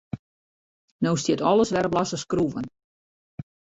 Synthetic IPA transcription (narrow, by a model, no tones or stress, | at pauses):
nowstjɪtɔlˠəsʋɛɾəblasəskruvən